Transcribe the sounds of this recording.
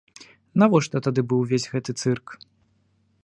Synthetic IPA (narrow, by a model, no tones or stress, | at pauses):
navɔʂt̪ɔt̪ad̪ɨbɨwvʲezʲɣɛt̪ɨt̪sɨrk